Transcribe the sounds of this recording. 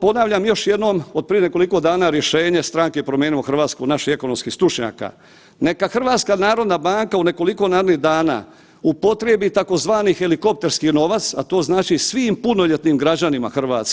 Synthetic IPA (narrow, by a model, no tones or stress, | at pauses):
po̞naʋʎamjo̞ʃje̞d̪no̞mod̪pɾije̞neko̞liko̞d̪aːnaːɾje̞ʃe̞ːɲe̞st̪ɾaŋkepɾomjeːnimoxr̩ʋaːt̪skunaʃihe̞ko̞nomskihst̪ɾut͡ʃɲa̰ːka̰ | ne̞kaxr̩ʋaːt̪skanaːɾo̞d̪nabaːŋkaune̞ko̞liko̞naːɾd̪niɦd̪aːna̰ː | upo̞t̪ɾebit̪ako̞zʋaːnixe̞liko̞p̚t̪e̞ɾskino̞ʋat̪sat̪o̞ːznaːt͡ʃisʋiːmpuno̞ʎe̞t̪nimɡɾad͡ʑanima̰xr̩ʋaːt̪sk